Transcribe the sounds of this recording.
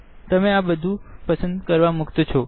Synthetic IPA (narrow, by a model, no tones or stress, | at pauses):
t̪əmeabəd̪ʱũpəsənd̪kəɾʋamukt̪t͡ʃʰɔ